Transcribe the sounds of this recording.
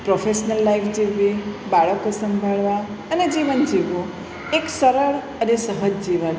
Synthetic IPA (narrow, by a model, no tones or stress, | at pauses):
pɾofeʃnəlːaifʰd͡ʒiʋibaɭəkosəmbʱaɭʋa | əned͡ʒiʋənd͡ʒiʋũ | eksəɾəɭ | ənesəɦəd͡ʒd͡ʒiʋən